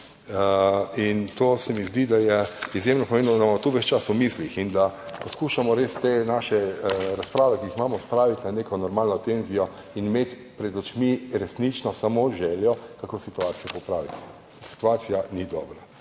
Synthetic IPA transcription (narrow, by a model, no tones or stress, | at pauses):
int̪oːsɛmizd̪id̪ajɛizjemnɔpɔmeːnnɔd̪amamɔt̪uʋɛt͡ʃt͡ʃasʊmislixind̪a | pɔskuːʃamɔɾeːst̪enaʃɛɾaspɾaːʋɛkiixmaːmɔspɾaːʋit̪ʲnaneːkɔnɔɾmaːlnɔt̪enzijɔ | inimet̪ | pɾɛd̪ɔt͡ʃmiɾɛsnit͡ʃnɔsamoʒɛːljɔkakosit̪uaːt̪sijɔpɔpɾaːʋit̪i̥ | si̥t̪uaːt̪sijanid̪ɔːbɾa